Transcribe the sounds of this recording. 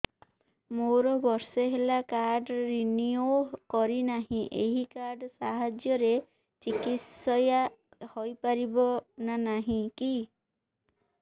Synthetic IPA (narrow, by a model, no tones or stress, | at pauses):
moɾɔbɔɾseɦelakaɾɖɾiniokɔɾinaɦĩʔeɦikaɾɖsaɦad͡ʒjɔɾe | t͡ʃikitsɔja | hojpaɾibɔnanaɦĩki